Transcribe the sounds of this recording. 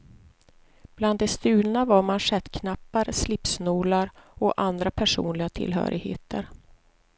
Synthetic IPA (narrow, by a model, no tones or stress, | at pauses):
b̥land̪ːɛst̪ʉ̟ːlnavaɾmanʂɛt̪kʰnapːaɾslɪpsnuːlaɾɔʔand̪ɾapʰæʂṵːnlɪɡat̪ʰɪ̰lɦœ̰ːɾɪɡhḛːt̪əɾ